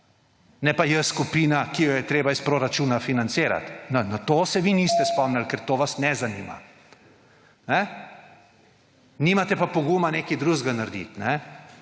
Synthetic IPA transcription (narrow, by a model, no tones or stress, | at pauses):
nɛpajɛskupiːnakijɔjɛt̪ɾeːbaispɾoɾat͡ʃuːnafinant̪seːɾa̰t̪nɔnat̪oːsɛʋinist̪ɛspɔmnɛlkɛɾt̪oːʋasnɛzanḭːma̰ | nɛ | niːmat̪ɛpapɔɡumaneːkid̪ɾuːzɡanaɾd̪ḭt̪nɛ